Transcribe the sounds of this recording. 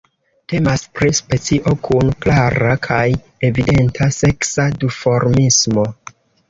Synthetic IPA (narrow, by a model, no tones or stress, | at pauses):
te̞maspɾispe̞t͡siʔo̞kʰunklaɾakʰaj | e̞vide̞ntʰase̞ksadifo̞ɾmismo̞